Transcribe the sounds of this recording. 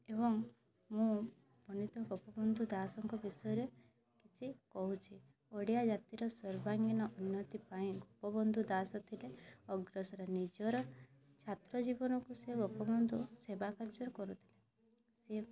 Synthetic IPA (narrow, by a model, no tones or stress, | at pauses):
eβɔŋ | mũ | pɔnit̪ɔɡɔpɔbɔnd̪ʱud̪asɔŋkɔbisɔjɔɾe | kit͡ʃʰikɔɦut͡ʃʰi | oɽijad͡ʒat̪iɾɔsɔɾbaŋɡinɔʔunːɔt̪ipaĩɡɔpɔbɔnd̪ʱud̪asɔt̪ʰileɔɡɾɔsɔɾenid͡ʒɔɾɔ | t͡ʃʰat̪ɾɔd͡ʒibɔnɔkuseɡɔpɔbɔnd̪ʱusebakaɾd͡ʒɔɾɔkɔɾut̪ʰile | se